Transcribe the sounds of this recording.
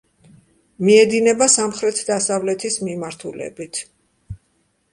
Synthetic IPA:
miɛd̪inɛbasamχɾɛt̪ʰd̪asavlɛt̪ʰismimaɾt̪ʰulɛ̰bit̪ʰ

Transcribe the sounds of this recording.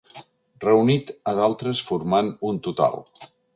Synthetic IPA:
rəunit̪əðalˠt̪ɾəsfuɾmanunt̪ut̪a̰lˠ

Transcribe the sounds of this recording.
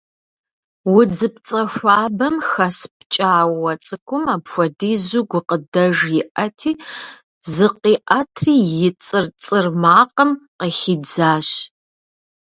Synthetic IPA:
wʊd͡zɨp̚t͡sʼɐʃʷaːbɐmxɐspt͡ʃʼaːwwɐt͡sʼɨkʷʰʊmaːpxʷɔdiːzuɡʷʊqədɐʒjɪʔɐtʰiː | zɨqiːʔɐtʰriːjɪt͡sʼɨrt͡sʼɨrmaːqəmqəxid͡zaːɕ

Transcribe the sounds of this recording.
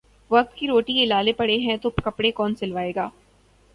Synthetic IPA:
ʋɐk̚t̪kiɾoːʈielaːlepɐɽeɦɛ̃t̪okɐpɽekɔːnsɪlʋaːeːɡaː

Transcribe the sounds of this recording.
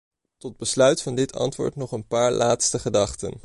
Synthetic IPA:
tɔd̚bəslœɥtfɑndɪtʰɑ̰ntʋʊ̰ːɹtnɔχənpaːɹlʔaːtstəχədɑχtə̰n

